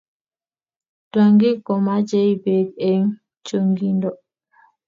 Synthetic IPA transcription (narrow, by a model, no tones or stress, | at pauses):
twaŋɡikɔmad͡ʒɛjbeɡɛn | t͡ʃoŋɡindɔ